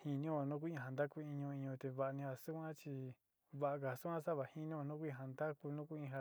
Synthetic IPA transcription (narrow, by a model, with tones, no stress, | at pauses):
hĩ˧nĩ˦˧nũ˦ku˦ĩ˧˨a˨nd̪a˦ku˧ĩ˧ɲũ˧ĩ˧ɲũ˧t̪e˧βa˧ʔnĩ˧ha˧su˦kʷã˦t͡ʃi˧ | βa˧ʔa˧k̬a˧˨˧su˦kʷã˦sa˦βa˨hi˦nĩ˦o˧nũ˦kʷĩ˧ɦa˧nd̪a˦ku˧nũ˦ku˦ĩ˧ɦa˧